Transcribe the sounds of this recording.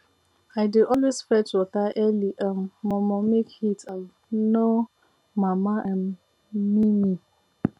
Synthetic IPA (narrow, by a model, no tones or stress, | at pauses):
aɪdɪʔɔlwesfɛtɔtaʔɛliʔam̩ːɔmɔmekhitav | no | mamaʔam | mini